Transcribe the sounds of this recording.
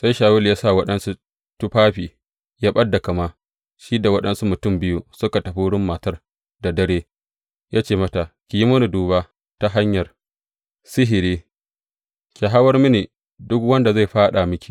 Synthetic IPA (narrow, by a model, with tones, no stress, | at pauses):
sa˦jʃaː˨wʊ˦ljaː˦sa˦˨wɐ˦ɗɐ˦nsu˦ | tʊ˦ɸaː˦ɸiː˨ | jaː˦ɓɐ˦dːa˨kɐ˨maː˦ | ʃiː˦da˨wɐ˦ɗɐ˦nsu˦mʊ˨tʊ˦˨mbɪ˦ju˦sʊ˦ka˨tɐ˨ɸu˦ɽɪ˦mːa˨tɐ˦r | da˨dɐ˦ɽeː˦ | jaː˦t͡ʃeː˦˨mɐ˦ta˨kʲi˨ji˦mʊ˦nu˨duː˨βa˦ | ta˨ɦa˦ɲjɐ˨r | sɪ˦ɦɪ˨ɾeː˦ | kʲi˨ɦa˦wɐ˦rmi˦neː˨ | dʊ˦kwɐ˦nda˨za˦˨jɸaː˦ɗa˨mɪ˦kʲi̥˨